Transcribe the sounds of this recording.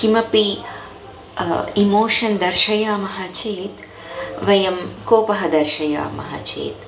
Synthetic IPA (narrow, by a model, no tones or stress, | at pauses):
kimɐpi | imoːʃɐnd̪ɐɾʃɐjaːmɐɦat͡ʃeːt̪ | ʋɐjɐmkoːpɐɦɐd̪ɐɾʃɐja̰ːmɐ̰ɦɐ̰t͡ʃḛːt̪